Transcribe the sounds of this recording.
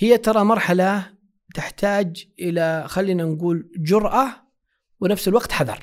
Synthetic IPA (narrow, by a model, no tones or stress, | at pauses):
hɪjːat̪ɑɾˤɑmɑɾˤħala | t̪ɪħt̪aːd͡ʒʔɪlaxalːiːnanɡuːld͡ʒʊɾˤʔa | wɪnafsɪlwaɡt̪ħaðɑ̰ɾˤ